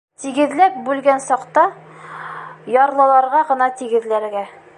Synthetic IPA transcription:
t̪iɡɘ̆ðlæp̚bʉlɡænsɒqt̪ɑ | jɒɾlˠɑlˠɑɾʁɑʁɤ̆nɑt̪iɡɘ̆ðlæɾɡæ

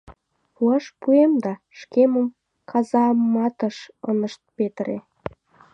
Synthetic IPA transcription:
puɑʃpuemd̪ɑ | ʃkeməm | kʰɑzɑmːɑt̪əʃə̰nəʃt̪̚pet̪əɾe

